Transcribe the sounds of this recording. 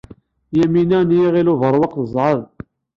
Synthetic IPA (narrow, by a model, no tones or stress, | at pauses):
jæminænjiʁilʊvəɾˤwɑqθəzˤʕəðˤ